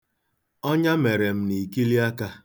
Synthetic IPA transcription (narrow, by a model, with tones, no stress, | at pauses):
ɔ˦ɲa˦me˨ɾe˨m̩˦ni˨ki˦li˦a˦ka˦